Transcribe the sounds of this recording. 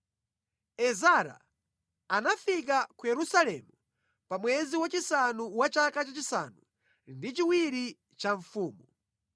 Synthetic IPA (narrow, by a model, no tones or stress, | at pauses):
ɛzaɾa̰ | anafik̬akujɛɾusalɛmu | pamwɛziwat͡ʃisanuwat͡ʃakat͡ʃat͡ʃisa̰nu | ndit͡ʃiwiɾi | t͡ʃaɱfuːmu